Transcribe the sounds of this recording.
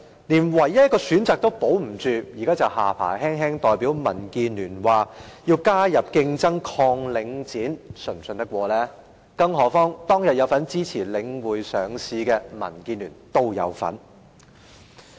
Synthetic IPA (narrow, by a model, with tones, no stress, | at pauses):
niː˨˩nwɐ˨˩jːɐ˥kɔː˧syː˨˥nt͡saː˨k̚t̪o˥wpo˨˥wm̩˨˩t͡ʃyː˨˧jiː˨˩kaː˥t͡sɐ˨whaː˨pʰa̰ː˨˩jɦɛː˥ŋɦɛː˥ŋt̪ɔː˨jpiː˨˥wmɐ̰˨˩nkiː˧nlyː˨˩nwaː˨jiː˧wkaː˥jɐ˨p̚kɪ˧ŋt͡sɐ˥ŋkʰɔː˧ŋlɪ˨˧ŋt͡siː˨˥nsɵ˨˩ŋsɵ˧nt̪ɐ˥kwʷɔː˧lɛː˥ | kɐ˥ŋɦɔː˨˥fɔː˥ŋt̪ɔː˥ŋjɐ˨t̚jɐ˨˧wfɐ˨˥nt͡siː˥t͡sʰiː˨˩lɪ˨˧˥ŋwuː˨jsœː˨˩ŋsiː˧kɛː˧mɐ̰˨˩nkiː˧nlyː˨˩nt̪o˥wjɐ̰˨˧wfɐ̰˨˥n